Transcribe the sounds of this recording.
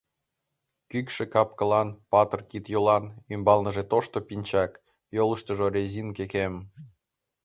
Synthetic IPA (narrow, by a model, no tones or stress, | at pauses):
kykʃĕkɑp̚kə̆lɑnpɑt̪ərkit̪jolɑnymbɑlnəʒet̪oʃt̪opinʲt͡ɕɑk | joləʃt̪əʒorʲezʲinkekem